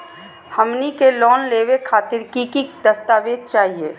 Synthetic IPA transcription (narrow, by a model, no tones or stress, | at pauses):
həmnikelɔːnleːwekʰaːt̪ɪɾkikid̪əst̪aːʋeːd̪̚t͡ʃaːɦieː